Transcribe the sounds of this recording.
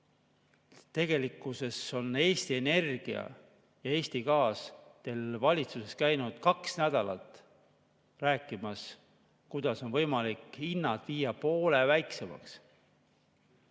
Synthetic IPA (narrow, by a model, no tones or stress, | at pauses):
t̪e̞ɡ̥e̞likːˑuse̞so̞ne̞ːst̪ie̞ne̞rɡ̥iɑ̰ | jɑe̞ːsʲt̪ikɑːst̪e̞lvɑlʲit̪suse̞skæjnud̪̥kɑksnæd̪̥ɑlɑ̰t̪ːˑ | ræːkːˑimɑs | kujd̪̥ɑso̞nvɤjmɑlikːinːɑt̪viːjɑpo̞ːle̞væjkse̞mɑ̰ks